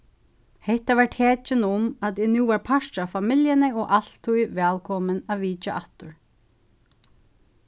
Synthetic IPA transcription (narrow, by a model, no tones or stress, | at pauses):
hɛht̪aʋaɹʈ̪ʰɛːt͡ʃɪnʊmat̪ɪːnuːʋaɹpʰaʃt͡ʃafamɪljənɪɔʔal̥t̪ʰːujʋɛːlkʰɔmənaʋiːt͡ʃaʔaht̪ʊɹ